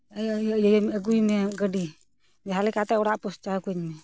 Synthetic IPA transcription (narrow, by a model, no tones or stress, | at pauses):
ajjəjaməɡujmɛɡəɖi | d͡ʒɛɦalɛkat̪ɛɔɽaʔpɔst͡ʃakuɲmɛ